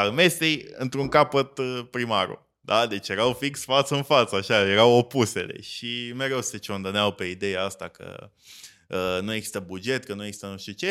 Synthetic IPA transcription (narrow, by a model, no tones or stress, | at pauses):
alme̞st̪ejɨnt̪ɾuŋkapət̪pɾimaɾṵ | d̪ad̪e̞t͡ʃje̞ɾawfiksʲfat̪səɨnfat̪səaʃaje̞ɾawo̞puse̞lḛʃimeɾe̞wse̞t͡ʃo̞nd̪oneawpe̞id̪e̞jaast̪akə̰ | ənujeɡzi̥st̪əbud͡ʒe̞t̪kənueɡzist̪ənuʃt̪it͡ʃe̞